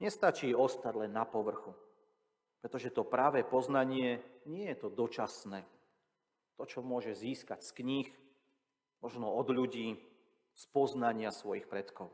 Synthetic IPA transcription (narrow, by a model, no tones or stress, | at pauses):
ɲɛst̪at͡ʃiːɔst̪aɟlɛnːapɔʋr̩xu | pɾɛt̪ɔʒɛt̪ɔpɾaʋɛːpɔznaɲɪɛɲɪɛjɛt̪ɔd̪ɔt͡ʃasnɛː | t̪ɔt͡ʃɔmʊɔʒɛziːskacskɲix | mɔʒnɔɔd̪ʎuɟiː | spɔznaɲɪasʋɔjixpɾɛt̪kɔʊ